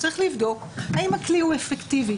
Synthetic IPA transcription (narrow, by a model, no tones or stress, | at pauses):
t͡saʁiχlivd̪o̞khaimhaklihuefekt̪ivi